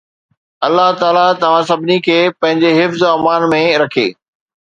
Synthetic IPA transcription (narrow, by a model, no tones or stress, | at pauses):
ɐlːaɦt̪aːlat̪ɐʋ̤ãsɐbʱɪnikʰeːpɐ̃ɦɪ̃ɲd͡ʑeɦɪfzɐmaːnmẽɾɐkʰḛː